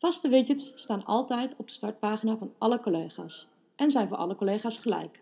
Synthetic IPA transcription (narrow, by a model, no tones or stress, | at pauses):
fɑstəʋɪcənsːtaːnɑ̰lˠtɛjtɔb̚də̥stɑɹt̚paːχinaːvɑnʔɑləkolejχa̰ːs | ʔɛnzɛjnvʊːɹʔɑ̰ləkolejχaːsχəlɛ̰jk